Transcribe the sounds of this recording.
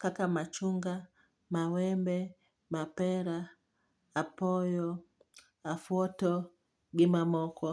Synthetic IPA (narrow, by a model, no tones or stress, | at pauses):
kakamat͡ʃuŋɡa | mawɛmbɛ | mapɛɾaː | pɔjɔ | afwɔtɔ | ɡimamɔkɔ